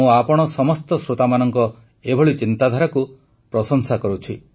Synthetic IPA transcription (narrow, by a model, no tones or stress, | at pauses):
ũapɔɽ̃ɔsɔmɔst̪ɔsɾot̪amanɔŋkɔ | ebʱɔɭit͡ʃint̪ad̪ʱaɾaku | pɾɔsɔŋsakɔɾut͡ʃʰi